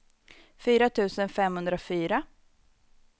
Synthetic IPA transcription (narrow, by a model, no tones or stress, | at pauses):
fyːɾat̪ʰʉ̟ːsənfɛmhɵnd̪ɾafyːɾa